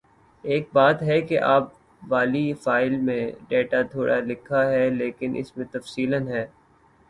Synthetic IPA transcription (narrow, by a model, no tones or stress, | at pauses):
eːk̚baːt̪ɦɛkeʔa̰ːp̚ | ʋaːlifaːɪlmẽɖeːʈat̪ʰoːɽʔalɪkʰaɦɛleːkɪnʔɪ̰smẽt̪ɐfsiːlənɦɛː